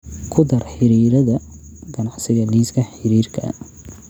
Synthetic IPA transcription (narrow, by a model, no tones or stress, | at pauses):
kʰʊd̪ɐrħɪɾiːɾɐðɐ | ɡɐnɑʕsɪɣɐliːskʰɐħɪɾiːrkʰɐ̰